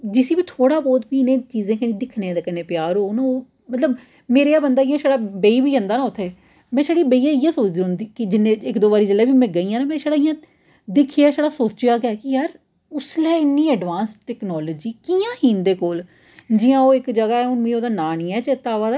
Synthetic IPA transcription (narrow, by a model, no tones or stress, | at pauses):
d͡ʒɪsiːbiːt̪ʰoːɽaːbɔːt̪biːɪnẽːt͡ʃiːzẽːkənĩːd̪ɪkʰnẽːd̪eːkənẽːpjaːɾɦoːnːoː | mət̪ləb | meːɾeaːbənd̪aːɪjãːʃaːɽaːbeiːbiːɦə̃nd̪aːnãːʊt̪ʰːeː | mɛ̃ːʃaːɽiːbəiːãːɪjãːsoːt͡ʃd̪ĩɦʊnd̪iːkɪd͡ʒɪnːẽːɪkd̪oːbaːɾiːd͡ʒəleːbiːmɛ̃ːɡəiːãːnaːmɛ̃ːʃaːɽaːɪjãː | d̪ɪkʰijaːʃaːɽaːsoːt͡ʃɪjaːɡaːkɪjaːɾ | ʊslɛːɪnːiːəɖʋãːnsʈɛːknɔːlːd͡ʒiːkiːãːhiːnd̪eːkoːl | d͡ʒiːãːoːɪkd͡ʒəɡaːɛːʊnʋĩːoːd̪aːnaːniːɛːt͡ʃet̪aːʋaːd̪aː